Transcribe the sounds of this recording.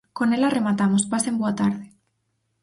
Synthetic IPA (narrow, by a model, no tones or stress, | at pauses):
konelare̞mat̪amospasemboat̪aɾðe